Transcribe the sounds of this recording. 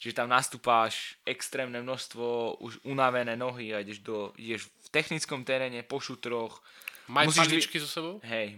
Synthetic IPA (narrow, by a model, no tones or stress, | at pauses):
t͡ʃiʒɛt̪amnast̪uːpaːʃɛkst̪ɾɛːmnɛmnɔst̪ʋɔṵʃunaʋɛnɛːnɔɦiaiɟɛʒd̪ɔḭɟɛʃft̪ɛxnit͡skɔmt̪ɛɾɛːɲɛpɔʃut̪ɾɔxmamussiit͡ʃkizɔsɛbɔʊɦɛj